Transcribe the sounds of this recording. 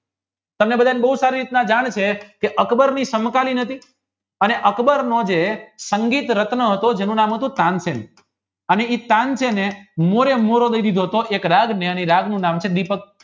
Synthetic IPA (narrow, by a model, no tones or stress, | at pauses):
t̪əmnebəd̪ʱanebəɦusaɾiɾit̪nãd͡ʒaɳ̃t͡ʃʰekeʔəkbəɾnisəmkalinət̪ʰi | əneʔəkbəɾnod͡ʒesəŋɡit̪ɾət̪nəɦət̪od͡ʒenũnamɦət̪ũt̪ãnsenḛ | əneit̪ãnt͡ʃʰenemoɾemoɾod̪əid̪id̪ʱoɦət̪oʔekɾaɡneəneɾaɡnũnamt͡ʃʰed̪ipək̚